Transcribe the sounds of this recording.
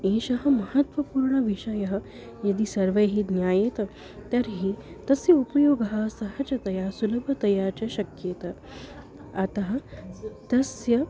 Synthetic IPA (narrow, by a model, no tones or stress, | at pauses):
eːʃɐɦɐ̆mɐɦɐt̪ʋɐpuːɾɳɐʋiʃɐjɐɦɐ̆ | jɐd̪isɐɾʋɐjɦid̪njaːjet̪ | t̪ɐɾɦiː | t̪ɐsjɐupɐjoːɡɐɦɐ̆sɐɦɐt͡ʃɐt̪ɐjaːsulɐbʱɐt̪ɐjaːɾt͡ɕaʃɐkjet̪ɐ | ɐt̪ɐɦɐ̆t̪ɐsjɐ